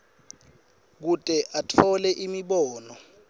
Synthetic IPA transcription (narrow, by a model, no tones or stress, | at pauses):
k̬utʼɛʔatʰɔlɛʔimiɓɔːnɔ